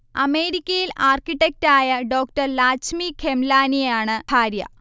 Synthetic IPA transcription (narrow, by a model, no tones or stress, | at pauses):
ɐme̞ːɾikʲːɐjilaːrkiʈːek̚taːjɐɖo̞ːk̚ʈɐrlaːt͡ɕmikʰemlaːnijaːɳɨhaːɾjɐ̰